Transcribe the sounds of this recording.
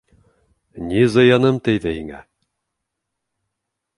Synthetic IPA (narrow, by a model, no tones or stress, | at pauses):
nizɤ̆jɑnɤmt̪æjðɘhiŋæ̰